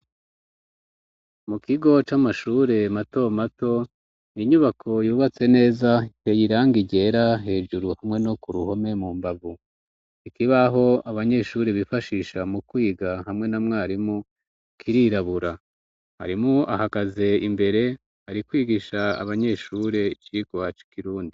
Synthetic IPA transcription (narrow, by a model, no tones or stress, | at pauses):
mukiɡo̞t͡ʃamaʃuːɾe̞mato̞mato̞ | iɲuβakʰo̞juːβat͡se̞ne̞ːzaitejiɾaːŋɡiɟe̞ɾaɦe̞ːʒuɾuhamŋe̞no̞kuɾuho̞me̞mumbavu | ikiβaɦo̞aβaɲe̞ʃuːɾeβifaʃiʃamukwiːɡahamŋe̞namŋeaːɾimu | kʰiɾiɾaβuɾa | ha̰ɾimuahakaze̞imbe̞ɾe̞ | haɾikwiːɡiʃaa̰βaɲe̞ʃuɾe̞it͡ʃikowat͡ʃi̥kiɾuːndi